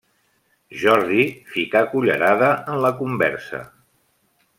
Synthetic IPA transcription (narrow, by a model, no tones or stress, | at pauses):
ʒɔɾðifikakuʎə̰ɾaðəənləkumbɛ̰ɾsə̰